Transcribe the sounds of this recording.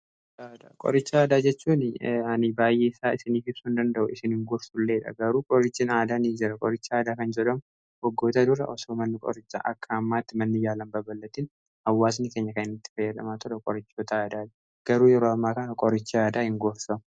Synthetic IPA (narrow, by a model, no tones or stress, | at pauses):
aːd̪aːkʼɔ̰ɾɪt͡ʃːaaːd̪aːd͡ʒɛt͡ʃːuːnɐnɪbaːjːeːɪsaːɪsɪniːfɪbsuːnd̪ɐnd̪ɐʔʊɪsɪnhɪŋɡoːɾsʊlːe̞ːᶑɐ̰ɡɐɾuːkʼɔɾɪt͡ʃːɪnaːd̪aːniːd͡ʒɪɾɐkʼɔɾɪt͡ʃːɪaːd̪aːkɐnd͡ʒɛᶑɐmʊ | hɔɡːoːt̪ɐd̪ʊɾɐ̰ʔɔsoːmɐnːɪkʼɔ̰ɾɪt͡ʃːa̰ʔɐ̰kːɐːmːaːt̪ːɪmɐnːɪjaːlɐmbɐbɐlːɐt̪iːn | hɐwːaːs̬nɪkeːɲːɐkɐnɪnɐt̪ːɪ̥fɐjːɐd̪ɐmaːt̪ɔɾɛkʼɔɾɪt͡ʃːot̪ɐaːd̪aːd͡ʒ | ɡ̥ɐɾuːjɛɾoːɐmːaːkɐnɐkʼɔɾɪt͡ʃːɪaːd̪aːhɪŋɡoɾsɐmʊ